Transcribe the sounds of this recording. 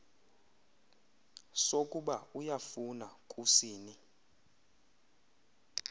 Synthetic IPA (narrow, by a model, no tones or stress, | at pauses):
sokʼuɓaujafunakʼusiːni